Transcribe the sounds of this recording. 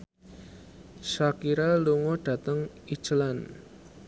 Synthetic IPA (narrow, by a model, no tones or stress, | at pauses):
ʃakiɾaluŋɔɖ̥a̤t̪əŋ | i̥t͡ʃəlan